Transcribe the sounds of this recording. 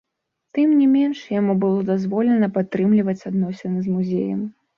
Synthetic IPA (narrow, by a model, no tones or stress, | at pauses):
t̪ɨmnʲimʲɛnʂjamubɨlˠɔd̪azvɔlʲɛnɐpat̪ːɾɨmlʲivɐt͡sʲad̪nɔsʲɪnɨzmuzʲḛjɐ̰m